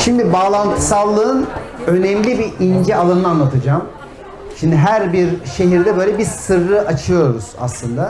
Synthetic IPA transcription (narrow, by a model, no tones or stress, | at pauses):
ʃimd̪ibaːlˠant̪ʰɯ̥salˠːɯɯnø̞nɛmlʲibiʔind͡ʒɛalˠannɯanlˠat̪ʰɯd͡ʒaːm | ʃimd̪iɦæɾbiɾʃe̞ɦiɾd̪ɛbø̞jlʲɛbizsɯɾːɯʔat͡ʃʰɯjo̞ɾuz̥a̰slˠɯnd̪a